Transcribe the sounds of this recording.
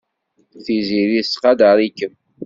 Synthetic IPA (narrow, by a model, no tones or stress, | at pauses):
θiziðisqɑd̪əɾˤikːəm